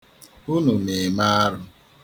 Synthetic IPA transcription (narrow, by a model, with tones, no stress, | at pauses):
u˦nu˨ne˨ma˦a˦ɾʊ˦